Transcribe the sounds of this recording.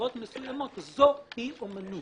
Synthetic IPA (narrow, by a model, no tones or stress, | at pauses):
ɔt̪məsujamɔt̪zopiumənu